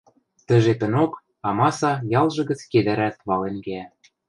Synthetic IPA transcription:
t̪ə̆ʒet̪ə̆nok | ɑmɑsɑjɑlʒɤ̆ɡə̆t͡sked̪æɾæt̪̚βɑlenɡeæ

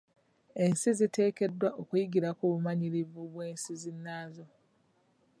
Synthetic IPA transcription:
e̞nsizite̞ːke̞dːwaʔokujiɡiɾakuβumaɲiɾivuβwe̞ːnsizinːaːzo̞

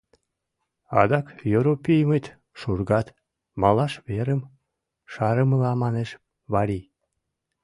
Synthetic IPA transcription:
ɑ̰d̪ɑkjøɾopʲijmət̪ | ʃurɡɑt̪ | mɑlɑʃβeɾəm | ʃɑɾəməlɑmɑneʃ | βɑɾʲi

